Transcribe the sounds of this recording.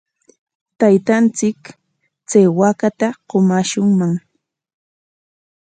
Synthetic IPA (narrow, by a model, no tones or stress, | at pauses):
t̪ajt̪ant͡sɪk | t͡sajwakat̪aqomaʃʊŋmaŋ